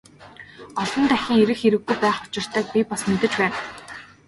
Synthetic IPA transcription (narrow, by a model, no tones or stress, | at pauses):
ɔɮɞ̆nt̪æxʲĭːŋeɾɘ̆xeɾɘ̆ɣːujpæːχʊt͡ɕɪ̆r̥t̪ʰæːk̚pʲipasmet̪ɘ̆t͡ɕpæːn